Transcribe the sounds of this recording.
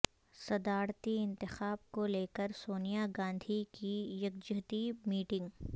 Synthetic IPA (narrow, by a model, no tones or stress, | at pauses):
sɐd̪aːɾt̪iɪ̃nt̪ɪxaːb̚koleːkəɾsoːnijaɡãːnd̪ʱikijɐk̚d͡ʒɐɦt̪iːbmiːʈɪ̃ŋɡ